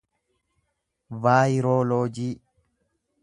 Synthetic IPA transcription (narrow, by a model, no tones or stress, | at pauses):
vaːjɪɾoːloːd͡ʒiː